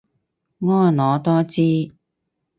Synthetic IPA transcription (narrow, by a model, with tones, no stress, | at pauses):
ŋɔː˥nlɔː˨˧t̪ɔː˥t͡siː˥